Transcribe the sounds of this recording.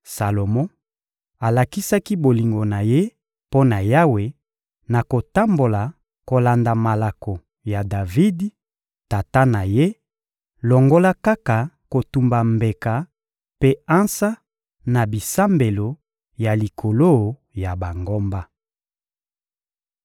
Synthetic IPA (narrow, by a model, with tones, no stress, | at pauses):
sa˨lo˨mɔ̃˦ | a˨la˨ki˦sa˦ki˦bo˨li˨ŋɡo˨na˨je˦ | po˦na˨ja˦we˨ | na˨ko˨ta˦mbo˨la˨ | ko˨la˨nda˨ma˨la˨ko˨ | ja˨da˨vi˦d | ta˨ta˦na˨je˦ | lɔ˨ŋɡo˦la˦ka˦ka˨ | ko˨tu˨mba˨mbe˨ka˨ | pe˦a˦nsa˦ | na˨bi˨sa˦mbe˨lo˨ | ja˨li˨kʰo˨lo˦ | ja˨ba˨ŋɡo˦mba˦